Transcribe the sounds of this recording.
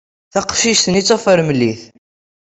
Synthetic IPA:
θɑqʃiʃθənit͡sːofəɾməlːiθ

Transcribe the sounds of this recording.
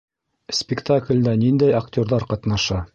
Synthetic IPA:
sʲpʲɪkt̪aklʲd̪ænind̪æjaktʲoɾðɑɾqɑt̪nɑʃɑ

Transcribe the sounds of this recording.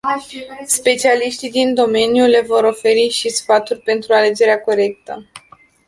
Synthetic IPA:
spe̞t͡ʃialiʃt̪id̪ind̪o̞me̞njule̞vo̞ɾo̞fe̞ɾiʃisfat̪urʲpe̞nt̪ɾuale̞d͡ʒe̞ɾeako̞ɾe̞k̚t̪ə̰

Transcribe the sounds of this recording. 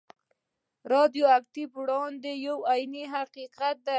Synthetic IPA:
ɾɑd̪joak̚t̪ibɽɑnd̪ejawajniɦaqiqat̪̚d̪a

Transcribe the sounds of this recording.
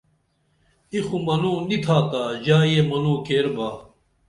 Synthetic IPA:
ixũmɐnõːnit̪ʰaːt̪aːd͡ʑaːjemɐnõːkeːɾbaː

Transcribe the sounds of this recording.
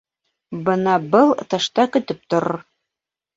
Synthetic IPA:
bɤnɑbɤlˠt̪ɑʃt̪ɑkɵ̆t̪ɘp̚t̪ŏɾ

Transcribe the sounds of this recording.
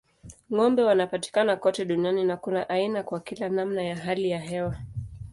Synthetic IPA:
ŋɔmbɛwanapati̥kanakɔtɛɗunianinakunaʔainakwakilanamnajaɦalijaɦɛwa

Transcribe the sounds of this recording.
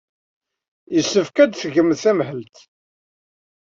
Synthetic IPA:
jəsːəfkæd̪θəɣəmθæmhəlt̪

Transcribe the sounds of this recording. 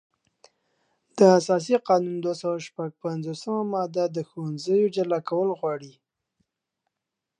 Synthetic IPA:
d̪̥əasɑs̬iqɑnund̪wasawaʃpaɡ̚panzosəmamɑd̪ad̪əxowanzəjod͡ʒalɑkawəlɣwɑɽi

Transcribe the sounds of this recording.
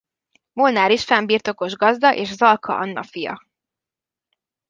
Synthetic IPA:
molnaːɾiʃfɛmbiːrt̪o̞ko̞ʒɡɒzd̪ɒʔeːʃzɒlkʰɒ̰ʔɒnːɒ̰fijɒ̰

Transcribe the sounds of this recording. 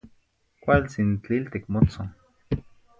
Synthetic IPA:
kʷalt͡sint͡ɬilt̪ikmot͡soŋ

